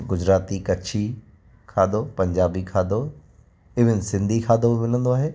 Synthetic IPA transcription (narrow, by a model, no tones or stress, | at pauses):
ɡʊd͡ʑɾaːt̪ikɐt͡ʃʰi | kʰaːd̪opɐ̃ɲd͡ʑaːbikʰaːd̪o | ɪʋɪnsɪ̃nd̪ʱikʰaːd̪omɪnə̃nd̪oaːɦeː